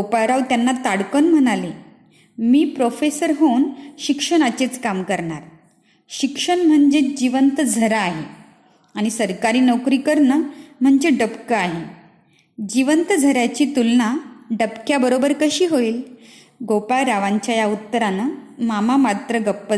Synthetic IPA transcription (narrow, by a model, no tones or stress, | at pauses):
ɡopaɾaʋt̪janːat̪aɽkənm̤əɽ̃ale | miːpɾofesəɾɦonɕikʂəɳat͡ɕet͡skamkəɾɳaɾ | ɕikʂəɳm̤əɳd͡ʑed͡ʑiʋənt̪d͡zʱəɾaːɦe | aɽ̃isəɾkaɾiːnəwkɾiːkəɾnəm̤əɳd͡ʑeɖəpkəaɦe | d͡ʑiʋənt̪d͡zʱəɾjat͡ɕiːt̪ulnaɖəpkjabəɾobəɾkəɕiːɦoiːl | ɡopaɾaʋaɲt͡ɕjajaut̪ːəɾanamamamat̪ɾəɡəpːə